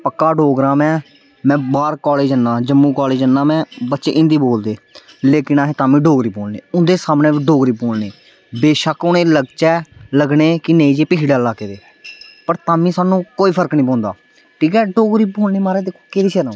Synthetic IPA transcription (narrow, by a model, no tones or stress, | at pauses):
pəkːaːɖoːɡɾaːmɛ̃ː | mɛ̃ːbaːɾkɔːleːd͡ʒənːaːd͡ʒəmːũːkɔːleːd͡ʒənːãːmɛ̃ːbətːʃḛːʔɪ̃nd̪iːboːld̪eː | leːkɪnaːɦeːt̪aːmĩːɖoːɡɾiːpoːlnḛːʊnd̪eːsaːmnẽːʋiːɖoːɡɾiːpoːlneː | beːʃəkʊnẽːləɡt͡ʃɛːləɡɳeːkɪneĩːd͡ʒeːpɪʃɽaːlaːkeːʋ̪eː | pəɾt̪aːmĩːsaːnũːkoːiːpʰəɾəknĩːpõːnd̪aː | ʈʰiːkɛːɖoːɡɾiːpoːlneːmaːɾeːd̪eːkʰːoːkeːd̪iːt͡ʃɛːnãː